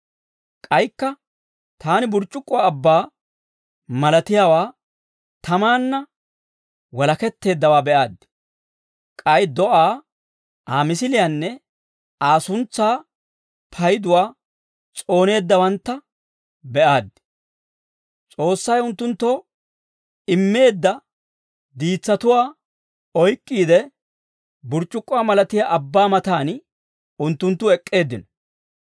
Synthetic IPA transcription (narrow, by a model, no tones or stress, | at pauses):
kʼɐjkːɐ | t̪aːnɪbʊɾt͡ʃʼːʊkʼːʊwaːbːaː | mɐlɐt̪ɪjaːwaː | t̪ɐmaːnːɐ | wɐlɐkɛt̪ːe̞ːd̪ːɐwaːbɛʔaːd̪ɪ̥ | kʼɐjd̪ɔʔaː | aːmɪsɪlɪjanːɛ | aːsʊnt͡sːaː | pʰɐjɪd̪ʊwaː | t͡sʼo̞ːne̞ːd̪ːɐwɐnt̪ːɐ | bɛʔaːd̪ɪ̥ | t͡sʼo̞ːsːɐjʊnt̪ːʊnt̪ːɔ | ɪmːe̞ːd̪ːɐ | d̪iːt͡sːɐt̪ʊwaː | ɔjkʼːiːd̪ɛ | bʊɾt͡ʃʼːʊkʼːʊwaːmɐlɐt̪ɪjaʔɐbːaːmɐt̪aːn | ʊnt̪ːʊnt̪ːʊɛkʼːe̞ːd̪ːɪnɔ̥